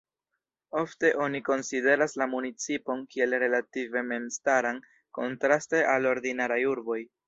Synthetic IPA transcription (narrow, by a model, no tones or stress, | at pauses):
o̞fte̞ʔo̞niko̞nside̞ɾaslamunit͡sipo̞nkie̞lɾe̞lative̞me̞nstaɾan | ko̞̰ntɾaste̞ʔalo̞ɾdinaɾajuɾbo̞j